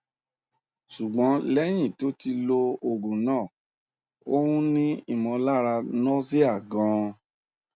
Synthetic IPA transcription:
ʃu˨ɡ͡bɔ̃˨˦lɛ˦j̃ĩ˦˨to˨˦ti˧lo˧o˨ɡũ˨nãː˦˨ | o˦hũ˦nĩ˦i˦˨mɔ̃˧la˦˨ɾa˧nɔ̃˦s̬i˦a˦˨ɡã˨˧˦

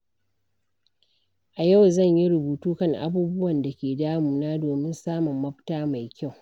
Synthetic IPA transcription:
ʔa˨ja˦˨wzɐ˦˨ɲji˦ɾʊ˨buː˨tuː˦kɐ˦˨ŋʔa̰˦buː˦bʊ˦wɐ˨nda˨kʲeː˨daː˦mu˨naː˦doː˨mɪ˦nsaː˦mʊ˨mːɐ˦ɸtaː˦ma˨jkʲa˦˨w

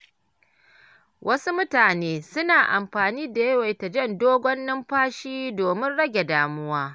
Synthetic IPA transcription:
wʔɐ˦su˦mʊ˦taː˨neː˦sʊ˦naː˨ʔa̰˨mɸaː˨niː˦da˨jɐ˦wa˨jta˨d͡ʒɐ˦˨ndoː˦ɡʷɔ˦nːɪ˦mɸaː˦ʃiː˦doː˨mɪ˦nɽɐ˦ɡʲe˨daː˨mʊ˦waː˦

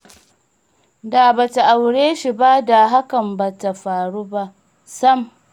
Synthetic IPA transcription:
da˨ba˨ta˨ʔa˨wɽeː˦ʃi˨ba˦da˨ɦa˦kɐ˨mba˨ta˨ɸaː˨ɽuː˦ba˦ʔ | sɐ˦m

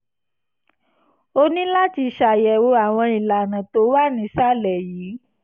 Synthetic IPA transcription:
o˦nĩ˦la˦ti˧ʃa˨jɛ˨wo˧˦a˨w̃ɔ̃˧i˨la˨nã˨to˨˦wa˦˨nĩ˧˦sa˦˨lɛ˨jiː˨˦

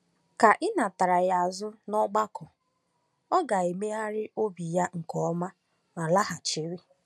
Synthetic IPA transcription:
ka˨ʔɪ˦na˨ta˨ɾa˨ja˨zʊ˦nɔ˦ɡ͡ba˦kʊ˨ | ɔ˦ɡa˨e˨me˦a˦ɾɪ˦ʔo˦bi˨ja˦ŋ̩˨kɔ˦ɔ˦ma˦ | ma˨la˦ɦa˨t͡ʃi˦ɾi˦

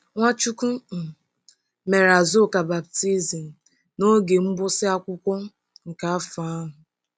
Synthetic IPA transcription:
ŋʷa˦t͡ʃu˦ku˦˨ | me˨ɾa˨zo˦˨ka˨ba˨b̚ti˦zi˨m̩˨ | no˦ɡe˨m̩˦bʊ˦sɪ˦a˦kʷʊ˦kʷɔ˦ | ŋ̩˨ka˨a˦fa˦ɦʊ˨

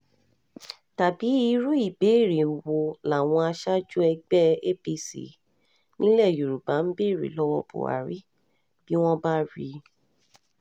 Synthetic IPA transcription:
ta˨bi˨˦i˦˧ɾu˦i˦˨be˨˦˨ɾi˨o˨wo˨la˨w̃ɔ̃˧a˧ʃa˦d͡ʒu˦ɛ˧ɡ͡bɛ˦e˦bi˧sḭ˨˦ | nĩ˦lɛ˦˨ju˨ɾu˨ba˨˦m̩˦be˦˨ɾḭ˨lɔ˦wɔ˧bo̰˨a̰˨ɾi˨˦ | b̥i˦w̃ɔ̃˦ba˦ɾi˧˦

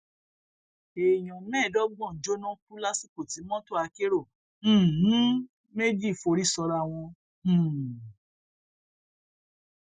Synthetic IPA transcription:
e˨j̃ɔ̃˨mɛ̃ː˦˨dɔ˦ɡ͡bɔ̃˦˨d͡ʒo˦nã˦k͡pu˦la˦si˦˨ko˨ti˨˦mɔ̃˦to˦˨a˧ke˦ɾõ˦˨˦ | me˦d͡ʒi˦˨fo˧ɾi˦sɔ˧ɾa˧˨w̃ɔ̃˧˨

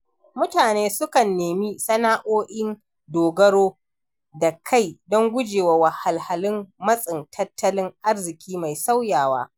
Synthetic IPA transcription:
mʊ˦taː˨neː˦sʊ˦kɐ˨nːeː˨miː˦sɐ˦naː˦ʔoː˦ʔɪ˦n | doː˨ɡɐ˦ɽoː˦ | da˨kʰa˦˨jdɔ˦ŋɡʷʊ˦d͡ʒeː˨wa˨wa˨ha˨lha˨lɪ˦mmɐ˦sʼɪ˨ntʰɐ˦tʰːɐ˦lɪ˦ŋʔa˦rzɪ˨kʲiː˦ma˨jsa˦wjaː˨wa̰ː˦

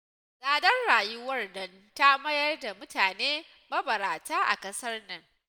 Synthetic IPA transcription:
sʼaː˨dɐ˦nɽaː˨jʊ˦wɐ˦˨rdɐ˦n | ta˦mɐ˦jɐ˦rda˨mʊ˦tʰaː˨neː˦ | mɐ˦bɐ˨ɾaː˨taː˦ʔa̰˨kʼɐ˦sɐ˦rnɪ˦ŋ

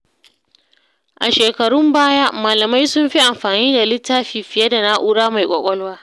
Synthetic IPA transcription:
ʔa˨ʃeː˨kɐ˨ɽʊ˦mbaː˦jaː˦maː˨lɐ˨ma˦jsʊ˦mɸi˦ʔa˨mɸaː˨niː˦da˨lɪ˦tːaː˦ɸiː˨ɸɪ˨jɐ˦da˨na˦ʔuː˦ɽaː˦ma˨jkʷʼɔ˦kʷʼɔ˦lwaː˦

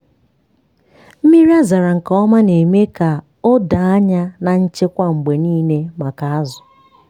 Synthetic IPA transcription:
m̩˦mi˦ɾi˦a˦za˨ɾa˨ŋ̩˨kɔ˦ɔ˦ma˦ne˨me˦ka˨ | o˦da˨a˦ɲa˦na˨n̩˦t͡ʃe˦kʷa˦ŋ͡m̩˨ɡ͡be˨niː˦ne˦ma˨ka˨a˦zʊ̥˨

